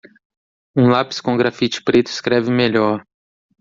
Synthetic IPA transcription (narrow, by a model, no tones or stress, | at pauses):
ũlapɪ̥skõʊɡɾafit͡ʃɪ̥pɾet̪ʊɪskɾɛvɪmeʎɔɾ